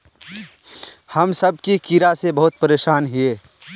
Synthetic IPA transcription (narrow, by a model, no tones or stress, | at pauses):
hɐmsɐb̚kikiɾasebɐɦʊt̪̚pəɾeːʃaːnɦieː